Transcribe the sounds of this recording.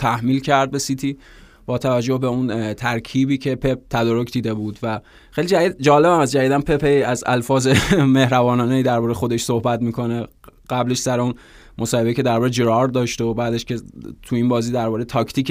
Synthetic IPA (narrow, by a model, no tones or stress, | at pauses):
t̪ʰæhmiːlcʰæɾd̪̚be̞sit̪ʰiː | b̥ɒːt̪ʰævæd͡ʒːohbeunt̪ʰæɾkʰiːbiːcʰepʰep̚t̪ʰæd̪ɒːɾokʰd̪iːd̪e̞buːd̪væ | xejlid͡ʒædid̪d͡ʒɒːlebæmæsd͡ʒæjid̪ænpʰepeiæzæ̰lfɒːzemehɾævɒːnɒːneiːd̪æɾbɒːɾexo̞d̪e̞ʃsohbæt̪miːkʰo̞ne | ɢ̥æbleʃsæɾeun | mosɒːhe̞beiːcʰe̞d̪æɾbɒːɾed͡ʒɾɒɾd̪ɒːʃt̪oobæːd̪eʃcʰe̞t̪ʰuiːnbɒːziːd̪æɾbɒːɾejt̪ʰɒːkʰt̪ʰiːk